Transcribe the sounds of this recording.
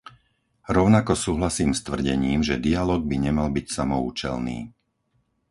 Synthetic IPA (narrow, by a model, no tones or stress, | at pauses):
ɾɔʊnakɔsuːɦlasiːmst̪ʋr̩ɟɛɲiːmʒɛd̪ialɔːɡ̚biɲɛmalbicsamɔuːt͡ʃɛ̰lnḭː